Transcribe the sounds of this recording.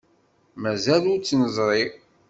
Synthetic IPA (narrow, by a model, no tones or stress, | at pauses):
mæzælʊɾt͡sːnəzˤɾˤi